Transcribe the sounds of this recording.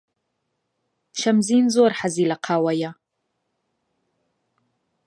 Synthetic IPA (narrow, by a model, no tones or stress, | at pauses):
ʃamziːnzorħaziːlaqʰaːwaja